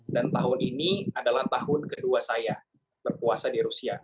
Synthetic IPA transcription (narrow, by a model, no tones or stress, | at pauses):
dant̪aɦʊniniadalaht̪aɦʊnkəduasaja | b̥ərpuasadiɾusia